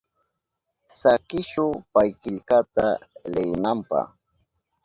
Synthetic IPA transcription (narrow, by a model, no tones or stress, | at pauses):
sakɪʃʊpajkɪʎkat̪alɪjnampɑ̰χ